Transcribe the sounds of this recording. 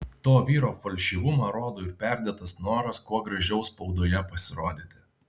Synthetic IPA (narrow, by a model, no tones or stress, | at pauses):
t̪oːʋʲiːɾoːfɐlʲʃʲiːʋʊmɐɾoːd̪oːɪɾpʲæˑɾʲd̪ʲɛt̪ɐsnoːɾɐskuɔɡɾɐʒʲɛʊspɔʊd̪oːjɛpɐsʲɪɾoːd̪ʲɪt̪ʲɪ